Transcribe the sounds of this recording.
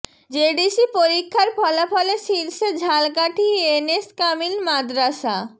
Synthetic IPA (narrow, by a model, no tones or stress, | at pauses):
d͡ʑeɖisipoɾikʰːaɾpɔlafɔleʃilʃed͡ʑʱalkaʈʰieneskamilmad̪ɾaʃa